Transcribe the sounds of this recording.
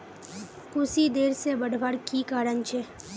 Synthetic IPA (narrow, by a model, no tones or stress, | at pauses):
kʊsid̪eːɾsebəɽʱʋaɽkikaːɾənt͡ʃʰe